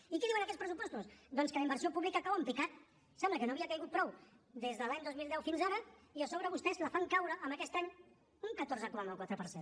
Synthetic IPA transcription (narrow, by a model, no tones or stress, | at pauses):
ikɛðiwənəkɛt͡sspɾəsupɔst̪usd̪ɔnskələimbəɾsiopuβlikakaβwəmpikat̪̚ | sɛmbləkənoːβiəkəjɣut̪̚pɾɔwd̪ezðəlaɲd̪ozmilˠd̪ɛwfinzaɾəiəsoβɾəβust̪ɛzləfaŋkawɾəʔəːmbəkɛst̪aɲ | uŋkət̪oɾzəkuɾanəlˠkwat̪ɾəpəɾsen